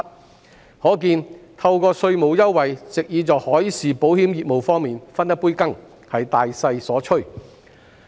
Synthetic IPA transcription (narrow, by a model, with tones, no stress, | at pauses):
hɔː˨˥kiː˧nt̪ʰɐ˧wkɔː˧sɵ˧ɥmo˨˧wjɐ˥wwɐ˨jt͡sɪ˨k̚jiː˨˧t͡sɔː˨hɔː˨˥jsiː˨po˨˥whiː˨˥mjiː˨˩t̚mo˨˩wfɔː˥ŋmiː˨nfɐ˥njɐ˥t̚puː˥jkɐ˥ŋ | hɐ˨jt̪aː˨jsɐ˧jsɔː˨˥t͡ʃʰɵ˥ɥ